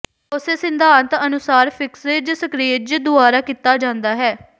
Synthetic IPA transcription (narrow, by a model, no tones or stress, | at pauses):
ʊseːsɪ̃nd̪ʱaːnt̪ənʊsaːɾpʰɪksɾeːd͡ʒsəkɾied͡ʒd̪ʊaːɾaːkit̪ːaːd͡ʒãːnd̪aːɦɛː